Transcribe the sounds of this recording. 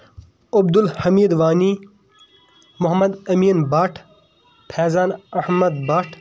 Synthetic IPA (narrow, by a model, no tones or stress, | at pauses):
ɐbd̪ulhɐmiːd̪ʋaːni | mʊɦɐmɐd̪ɐmiːnbaːʈʰ | pʰeːzaːnɐhmɐd̪baːʈʰ